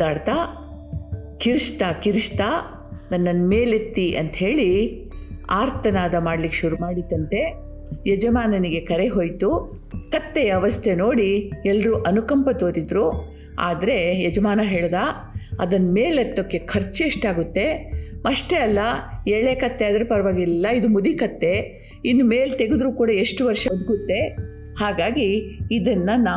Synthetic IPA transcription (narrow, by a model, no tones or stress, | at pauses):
aːɽt̪a | kiɾʂt̪aːkiɾʂt̪aː | nɐnːɐnmeːlit̪ːiʔɐnt̪ɦe̞ːɭi | aːɾt̪ʰɐnaːd̪ɐmaːɽlikːʃuɾumaːɽit̪ːɐnt̪e̞ | jɛd͡ʒɐmaːnɐniɡe̞kɐɾe̞ɦoːjt̪u | kɐt̪ːɛjɐːʋɐst̪ʰe̞no̞ːɽiɛlːɾuʔɐnukɐmpɐt̪oːɾid̪ɾu | a̰ːd̪ɐɾe̞jɛd͡ʒɐmaːnɐɦeːɭd̪aː | ɐ̰d̪ɐnɐmeːlet̪ːokːekʰɐɾt͡ʃieʂʈaːɡut̪ːe̞mɐʂʈeɐlːɐeːɭekɐt̪ːeɐd̪ɐɾepɐɾɐʋaːɡilːɐid̪umud̪ikɐt̪ːe̞ | inːumeːlt̪eɡed̪ɾuːkuːɽɐeʂʈuʋɐɾʂɐɐd̪ɡut̪ːe̞ | haːɡaːɡiːd̪ɐnːɐnaː